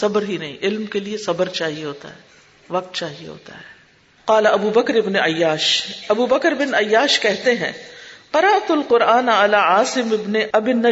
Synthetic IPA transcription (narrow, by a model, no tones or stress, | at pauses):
sɐbəɾɦinɐɦḭ̃ʔɪlmkeliesɐbəɾt͡ʃaːɦieɦoːt̪a̰ɦɛː | ʋɐq̚t̪t͡ʃaːɦiḛɦo̰ːt̪a̰ɦɛː | qaːlaɐbuːbɐkɾɪbneʔɐjːaːʃɐbuːbɐkɾbɪnɐjːaːʃkɛɦt̪eɦɛ̃ːqɐɾɐʔt̪ʊlqʊɾʔaːnɐlaːʕaːsɪmɪbneʔɐbɪnːɐ